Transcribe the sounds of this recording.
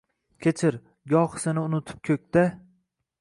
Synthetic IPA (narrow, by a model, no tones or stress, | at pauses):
kʲʰet͡ʃʰɪɾ | ɡʲɒqsɪnɪʊnʊt̪ʰɪ̥p̚kʲʰɵk̚ʲt̪a